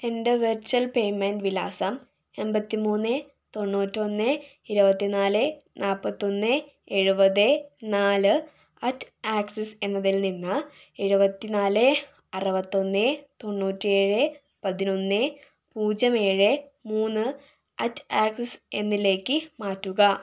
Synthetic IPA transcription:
e̞ndeʋert͡ɕuɐlpe̞jmenɖʋila̰ːsɐm | e̞mbɐt̪ːimuːnːɨ | t̪o̞ɳːuːtːo̞nːɨ | iɾubɐt̪ːinaːlɨnʔaːlpɐt̪ːo̞nːɨ | e̞ɻubɐðɨnaːlɨ | ɐtːaːksese̞nːɐðilninːɨ | eɻubɐt̪ːinaːlɨ | ɐrɐbɐt̪ːo̞nːɨt̪o̞ɳːuːtːie̞ːɻɨ | pɐðino̞nːɨ | puːd͡ʑɐme̞ːɻɨmuːnːɨ | ɐtːaːksese̞̰nːile̞ːkːɨmaːtːuɣɐ

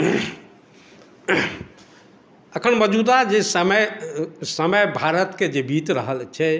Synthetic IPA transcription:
əkʰənməd͡ʒud̪ad͡ʒesəməjsəməjbʱaɾət̪ked͡ʒebʱit̪ɾəɦəlt͡ʃʰɛ

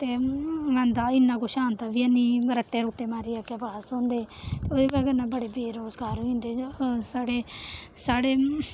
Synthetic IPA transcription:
t̪eːɡãːnd̪aːɪnːãːkoʃaːnt̪aːʋiənĩːɾəʈːeːɾoːʈːeːmaːɾiːaːkɪbaːsõːnd̪eː | t̪eːoːd̪eːkaɡənãːbəɽeːbeːɾoːzɡaːɾĩːnd̪eːsaːɽeːsaːɽeː

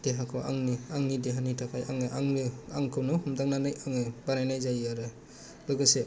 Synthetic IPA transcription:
d̥eɦakʰɔʔa̰ŋniaŋnideɦanitʰakʰajʔaŋɯʔaŋnɯaŋkʰɯwnɔhɔmdaŋnanɯjaŋɯbanajnajzajaɾɯ | lɯɡɯse

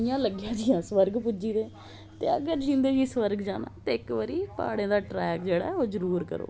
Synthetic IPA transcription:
ɪjãːləɡjãːd͡ʒ̪ɪjãːsʋəɾɡpʊd͡ʒiːd̪eː | t̪ḛːə̰ɡəɾd͡ʒĩːnd̪eːd͡ʒiːsʋəɾɡd͡ʒaːna̰ːt̪eːɪkʋəɾiːpa̰ːɽẽːd̪aːʈɾɛːkd͡ʒeːɽa̰ːɛoːzəɾuːɾkə̰ɾo̰ː

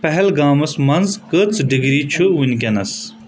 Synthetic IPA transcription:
pɐɦɛlɡaːmɐsmɐnzkət͡sɖiɡɾiːt͡ʃʰuinʲkʲɐnɐs

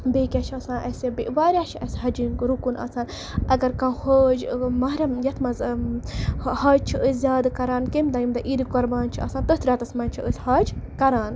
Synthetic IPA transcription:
beːkʲat͡ʃʰɐsãːnʔɐsebeʔʋaːɾʲaːt͡ʃʰiɐsʲɦɐd͡ʒinkɾukunɐ̰saːn | ɐɡɐɾkɐ̃hod͡ʒmɐɦɾɐmjɐt̪ʰmɐz | hɐːd͡ʒ̚t͡ʃʰiʔəsʲzʲaːd̪kɐɾaːnkemd̪ɐjimd̪ɐʔiɾikɔɾbaːnt͡ʃʰiɐ̰sãːnt̪ət̪ʰɾʲaːt̪ɐsmɐːnt͡ʃʰiəsʲhaːd͡ʒkɐɾaːn

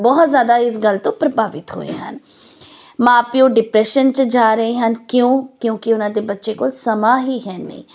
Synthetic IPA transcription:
bɔːt̪zjaːd̪aːɪs̬ɡəlt̪õːpɾəbaːʋɪt̪ɦo̰ːḛːɦən | mãːpɪjõːɖɪpɾɛːʃənt͡ʃəd͡ʒaːɾəeːɦənkjõːkjõːkɪʊnãːd̪eːbətːʃeːkoːlsəmaːɦiːɦɛːnḛḭ̃ː

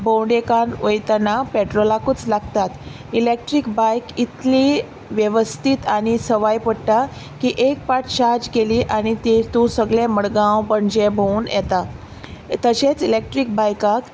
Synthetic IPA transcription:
bʱõwɳɖekanʋəjt̪anapɛʈɾolakut͡slaɡt̪at̪ | ilek̚ʈɾikbajkit̪li | ʋjeʋəst̪it̪aɽ̃isəʋajpəɽʈ̪a | kiːʔek̚paʈʰɕaɾd͡ʑkeliːʔaɽ̃it̪it̪ũsəɡɭeməɭɡãwpəɳd͡ʑebʱouːnjɛt̪a | t̪əɕet͡silek̚ʈɾik̚bajkak

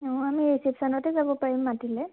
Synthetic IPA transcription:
ɔ̃amiesipsanɔtezabɔpaɹimnatilɛ

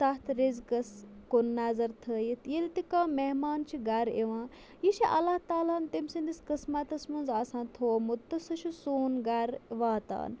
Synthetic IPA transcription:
saɦt̪ʰɾezkɐskonːazɐɾt̪ʰəːjit̪ʰjilt̪ikãːmeɦmaːnt͡ʃʰiɡɐɾeʋãː | jiʃiʔɐ̰laht̪aːlaːnt̪imsiniskɐsmat̪ɐsmɐnzaːsãːnt̪ʰoːmut̪ːɐsɐʃʰusuːnɡaɾʋaːt̪a̰ːn

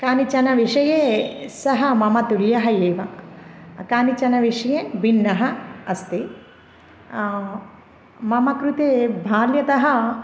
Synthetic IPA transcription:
kaːnit͡ʃɐnɐʋiʂɐjeːsɐɦɐmɐmɐt̪uɾjɐɦɐjeːʋɐ | kaːnit͡ʃɐnɐʋiʂɐjeːʋinːɐɦɐɐst̪i | mɐmɐkɾut̪eːbʱaːljɐt̪ɐɦɐ̆

